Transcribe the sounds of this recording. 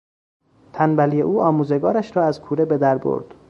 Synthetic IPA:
t̪ʰænbælijeʔuːɒːmuːze̞ɡɒːɾæʃɾɒːæzkʰuːɾebed̪æɾbo̰ɾd̪̥

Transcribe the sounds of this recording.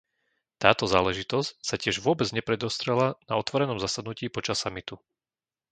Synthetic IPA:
t̪aːt̪ɔzaːlɛʒit̪ɔscsacɪɛʒʋʊɔbɛd͡zɲɛpɾɛd̪ɔst̪ɾɛlanaɔt̪ʋɔɾɛnɔmzasad̪nuciːpɔt͡ʃasːamit̪u

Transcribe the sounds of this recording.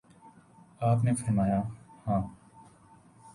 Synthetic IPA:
aːpneːfʰəɾmaːjaːhãː

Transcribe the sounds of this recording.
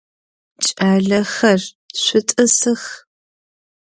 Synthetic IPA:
t͡ʃʼaːɮɐxɐr | ɕʷʊtʼɨsɨx

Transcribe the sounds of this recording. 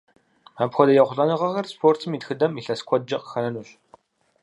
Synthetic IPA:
apxʷɔdɐjɐχʷʊɬʼɐnɨʁɐɣɐrspʰoːrtʰɨmiːdxɨdɐmiɬɐskʷʰɔd̚d͡ʒɐqə̥xɐnɐnuːɕ

